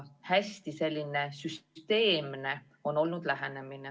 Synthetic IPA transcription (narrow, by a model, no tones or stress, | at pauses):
hæsʲt̪ise̞lʲːine̞syst̪e̞ːmne̞ | o̞nːo̞lnud̪̥læɦene̞mine